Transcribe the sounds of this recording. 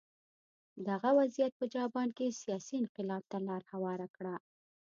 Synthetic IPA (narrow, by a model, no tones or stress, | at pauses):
d̪aɣawazijat̪̚pəd͡ʒɑbɑnkesijɑsiɪnqɪlɑb̚t̪alɑɾhawɑɾakɽa